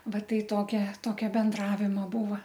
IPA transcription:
ˈʋɐ ˈtɐɪ ˈtoːkʲɛ ˈtoːkʲɛ bʲɛnˈdrɑːʋʲɪmoː ˈbuːʋɐ

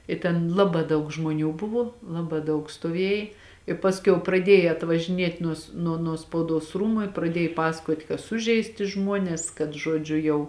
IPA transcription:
ɪ tʲɛn ˈlˠɑːbɑː ˈdɐʊk ʒmoːˈnʲuː ˈbʊʋoː ˈlˠɑːbɑː ˈdɐʊk stuɔˈʋʲiɛj ɪ ˈpɑːsʲˌkʲɛʊ prɐˈdʲiɛjɛ ɐtʋɐʒʲɪˈnʲiɛtʲ ˈnuɔs nuɔ nuɔ spɐʊˈduɔs ˈruːmʊ ɪ prɐˈdʲiɛj ˈpɑːsɐkuɔtʲ kɐ ˈsʊʒʲɛɪsʲtʲɪ ˈʒmuɔnʲɛs kɐt ˈʒuɔd͡ʒʲʊ jɛʊ

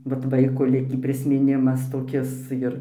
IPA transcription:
ʋɐt ˈʋɐɪkoː ˈlʲɪkʲiː pʲrʲɪsʲmʲɪˈnʲɪmɐs toːˈkʲɪs ˈjɪr

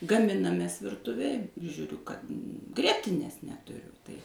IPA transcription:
ɡɐˈmʲɪnɐmʲeːs ʋʲɪrˈtʊʋʲeːj ɪr ˈʒʲuːrʲʊ kɐt ˈɡrʲiɛtʲɪnʲeːs nʲɛtʊˈrʲʊ tɐɪ

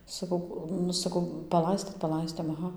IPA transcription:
sɐˈkɐʊ ˈnʊ sɐˈkɐʊ pɐˈlˠɐɪsʲtʲeːt pɐˈlˠɐɪsʲtʲeːm ɐˈɣɐ

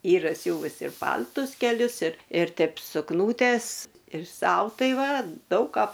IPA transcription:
ˈiːrɐ ˈsʲuːʋʊs ɪr ˈpɐlʲtʊs kʲɛˈlʲʊs ɪr ɪr ˈtʲɛɪp sʊkˈnuːtʲɛs ɪr ˈsɐʊ ˈtɐɪ ˈʋɐ ˈdɐʊk ˈkɑː

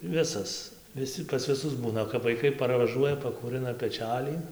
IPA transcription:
ˈʋʲɪsɐs ʋʲɪˈsʲɪ pɐs ʋʲɪˈsʊs ˈbuːnɐ kɐp ʋɐɪˈkɐɪ pɐrʋɐˈʒuɔjɛ pɐkuːˈrɨnɐ pʲɛˈt͡ʃʲælʲiː

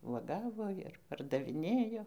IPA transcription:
ʋuɔˈɡɑːʋoː ɪr pɐrdɐʋʲɪˈnʲeːjoː

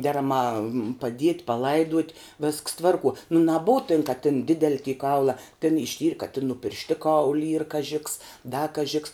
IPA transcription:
ˈdʲæːrɐˌmɑː pɐˈdʲiɛtʲ pɐˈlˠɐɪduɔtʲ ʋʲɪsks ˈtʋɐrˌkuɔ nʊ nɐˈbʊʊ tʲɪn kɐ tʲɪn ˈdʲɪdʲɛlʲɪ tʲiː ˈkɐʊlˠɐ tʲɛn ɪʃʲˈtʲiːrʲ kɐ tʲɪn nʊ pʲɪrʲʃʲˈtʲɪˌkɐʊlʲ iːr kɐˈʒʲɪ ks dɐ kɐˈʒʲɪ ks

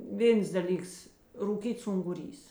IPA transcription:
ˈʋʲeːns dɐˈlʲiːks ruːˈkʲiːts ʊŋɡʊˈrʲiːs

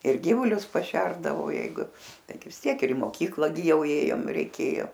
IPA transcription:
ɪr ˈɡʲiːʋʊlʲʊs pɐˈʃʲɛrdɐʋɐʊ ˈjɛɪɡʊ ˈtɐɪɡʲɪ ʋʲɪs ˈtʲiɛk ɪr ɪ moːˈkʲiːklˠɐ ɡʲɪ ˈjɛʊ ˈeːjoːm rʲɛɪˈkʲeːjoː

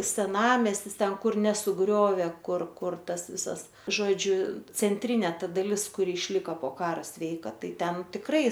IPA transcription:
sʲɛˈnɑːmʲɛsʲtʲɪs ˈtʲɛn ˈkʊr nʲɛsʊˈɡrʲoːʋʲeː ˈkʊr ˈkʊr ˈtɐs ˈʋʲɪsɐs ʒoːˈd͡ʒʲʊ t͡sʲɛnʲˈtʲrʲɪnʲeː ˈtɐ dɐˈlʲɪs kʊˈrʲɪ ɪʃʲˈlʲɪkɐ poː ˈkɑːrɐ ˈsʲʋʲɛɪkɐ ˈtɐɪ ˈtʲɛn tʲɪkˈrɐɪ

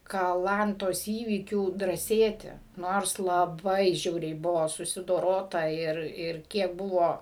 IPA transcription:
kɐˈlˠɐntoːs iːˈʋʲiːkʲuː drɑːˈsʲeːtʲɪ ˈnoːrs lˠɐˈbɐɪ ˈʒʲɛʊrʲɛɪ ˈbʊʋoː sʊsʲɪdoːˈroːtɐ ˈɪr ˈɪr ˈkʲiɛk ˈbʊʋoː

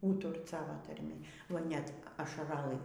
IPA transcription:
ˈuːtʊrt ˈsɑːʋoː tɐrʲˈmʲɪ oːɪ ˈnʲɛt ɐʃɐrɐˈlˠɨ

